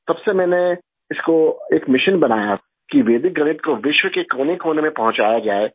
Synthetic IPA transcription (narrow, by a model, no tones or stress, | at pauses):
sɐbsemɛ̃ːne | ɪskoeːkmɪʃənbɐnaːja | kiʋeːd̪ɪk̚ɡɐnɪt̪̚koʋɪʃwəkekoːnekʰoːnemẽpɐɦʊ̃t͡ʃaːjad͡ʒaːe